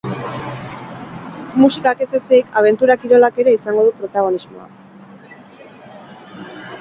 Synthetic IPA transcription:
musikake̞seseikaβ̞e̞nt̪uɾakiɾo̞lake̞ɾe̞isaŋɡo̞ð̞upɾo̞t̪aɣ̞o̞nizmo̞̰a̰

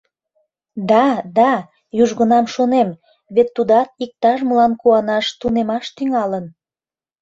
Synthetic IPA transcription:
d̪ɑd̪ɑ | juʒɣə̆nɑmʃonem | βet̪ːud̪ɑt̪̚ik̚t̪ɑʃməlɑnkuɑnɑʃt̪unemɑʃt̪yŋɑlən

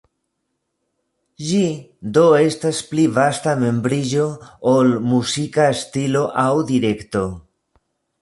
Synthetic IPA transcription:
ʒid̪o̞e̞stasplivastame̞mbɾid͡ʒo̞ːlmusikaest̪ilo̞ʔawd̪iɾe̞kto̞

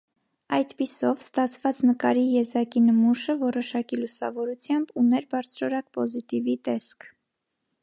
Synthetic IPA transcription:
ɑjd̪pisɔvst̪ɑt͡sʰvɑt͡snəkɑɾijɛzɑkinəmuʃəvɔɾɔʃɑkilusɑ̰vɔɾut͡sʰjɑmbunɛɾbɑɾt͡sʰɾɔɾɑk̚pɔzit̪ivit̪ɛskʰ

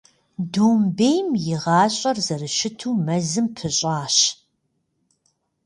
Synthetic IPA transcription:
doːmbejmjɪʁɑːɕʼɐrzɐrɨʃɪtʰuːmɐzɨmpʰɨɕʼaːɕ

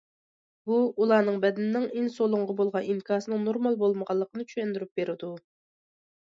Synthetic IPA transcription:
buːlˠɑːnɨŋbɛd̪ɪnːɪŋinsolˠʊŋʁɑbolˠʁɑnimkʰɑːsɨnɨŋnoɾmɑlˠbolˠməʁɑlˠːəqʰənɨt͡ʃʰyʃɛnd̪yɾyp̚b̥eɾɪd̪u

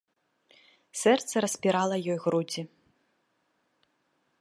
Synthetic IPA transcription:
sɛrt̪sɐɾɐsʲpʲiɾalˠɐjɔjɣɾud͡zʲi

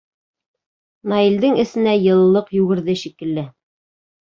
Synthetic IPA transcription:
nɑild̪ɘŋɘ̆sɘ̆næjɤ̆lˠlːˠɤqjʉɡɘ̆ɾðɘʃikɘ̆lːɘ

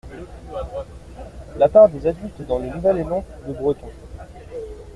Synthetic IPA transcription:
lapaʁd̪ezad̪ylt̪d̪ɑ̃lenuvɛlemɑ̃kd̪əbʁət̪ɔ̃

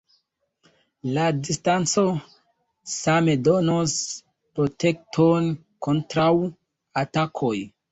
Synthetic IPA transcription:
ladistant͡so̞ | same̞do̞nos | pɾo̞te̞k̚tʰon | ko̞ntɾaw | atakʰoj

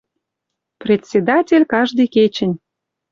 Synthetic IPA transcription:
prʲet̪ʲsʲed̪ɑtʲelʲkɑʒd̪ɤjket͡ɕə̆nʲ

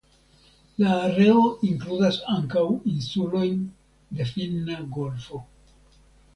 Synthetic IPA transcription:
laːɾe̞oʔiŋkludasaŋkawinsulo̞jn | de̞filːaɡo̞lfo̞

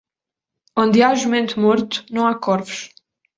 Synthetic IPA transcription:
õnd̪ɨaʒumẽnt̪umɔɾt̪u̥nɐ̃w̃akɔɾvuʃ

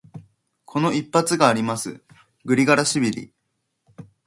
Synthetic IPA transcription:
kʰo̞no̞ipːat͡sɨɡaːɾʲimasɨ | ɡɯ̟ɾʲiɡaɾaɕibʲiɾʲḭ

